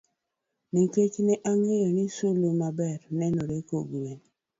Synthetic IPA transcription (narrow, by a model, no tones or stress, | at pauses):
niket͡ʃnɛʔaŋejonisulomabɛɾnɛnoɾekoɡwen